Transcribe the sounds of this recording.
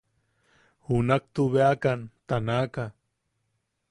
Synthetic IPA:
hunak̚t̪uβeakant̪anaka

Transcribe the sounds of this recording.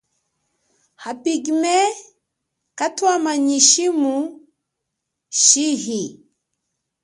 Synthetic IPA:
hapiɡimɛ | katwamaɲiʃimu | ʃiɦi

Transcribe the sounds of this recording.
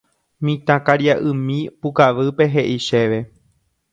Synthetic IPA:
mĩt̪ãkaɾjaʔɨ̃mĩpukaʋɨpe̞ɦe̞ʔiʃe̞ʋe̞

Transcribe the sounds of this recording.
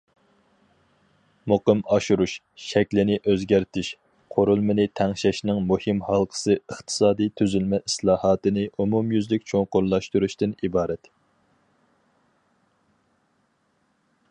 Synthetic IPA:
moqɨmɑʃuɾuʃ | ʃɛkʲlɪnɪʔøzɡʲæɾt̪ʰɪʃ | qʰoɾulˠmɨnɪt̪ʰæŋʃɛʃnɪŋmuhɨmhɑlˠqʰə̥sɨəχt̪ʰɨ̥sɑːd̪ijt̪ʰyzylmɛʔislˠɑːhɑːt̪ɨnɪʔumumjyzlɪk̚ʲt͡ʃʰoŋqoɾlˠɑʃt̪uɾuʃt̪ɨnibɑːɾɛt̪

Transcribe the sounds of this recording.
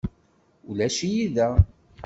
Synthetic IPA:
ulæʃijiðæ

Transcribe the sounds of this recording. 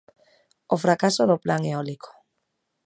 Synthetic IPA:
ofɾakasoðoplaŋeɔlikʰo̥

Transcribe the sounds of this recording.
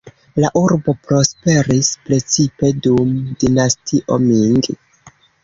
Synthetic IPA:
laʔuɾbo̞pɾo̞spe̞ɾispɾe̞t͡sipe̞dumdinastiʔo̞miŋɡi

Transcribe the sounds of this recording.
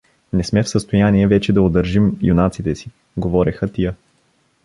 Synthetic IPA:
nɛsmɛfsəst̪ojaniɛvɛt͡ʃɛd̪ɐod̪əɾʒimjunat̪sit̪ɛsi | ɡovɔɾɛxət̪ijə

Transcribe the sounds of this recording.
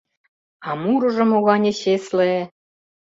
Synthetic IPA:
ɑmuɾɤ̆ʒɤ̆moɣɑnʲeɕesle

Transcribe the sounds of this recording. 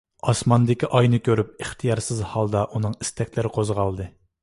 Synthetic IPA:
ɑsmɑnd̪ɪkʲiʔɑjnɨkʲʰøɾyp̚eχt̪ʰijɑɾsɪzhɑlˠd̪ɑʔunɨŋist̪ʰɛkʲlɪɾɪqʰozʁɑlˠd̪ɨ

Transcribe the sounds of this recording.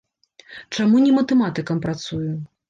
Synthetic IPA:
t͡ʂamunʲɛmɐt̪ɛmat̪ɨkɐmpɾat̪suju

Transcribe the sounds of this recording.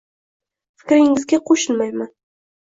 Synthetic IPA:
fɪ̥kʲɾɪŋɪzɡʲaqʰoʃɪlmajman

